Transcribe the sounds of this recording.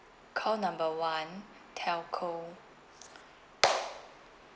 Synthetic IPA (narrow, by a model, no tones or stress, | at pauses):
kʰɔlnãmbəwãn | tʰɛlkʰo